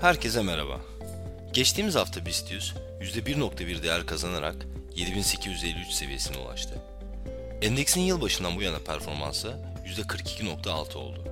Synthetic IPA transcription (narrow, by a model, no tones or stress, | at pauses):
hæɾcʰɛsɛmeɾa̰ba̰ | ɟ̥ɛt͡ʃt̪ʰiːmizaft̪ʰabist̪ʰysjyzd̪ɛbiɾno̞kt̪ʰabiɾd̪ejæɾkʰazanaɾa̰k | je̞d̪ibinse̞cʰizjyzelʲːiyt͡ʃse̞vije̞sinḭṵlˠa̰ʃt̪ʰɯ | ɛnd̪ecsinjɯlˠbaʃɯnd̪anbujanapʰæɾfo̞ɾma̰nsɯ | jyzd̪ɛkʰɯɾkʰi̥cʰino̞k̚t̪ʰaːlˠt̪ʰɯo̞̰lˠd̪ʊ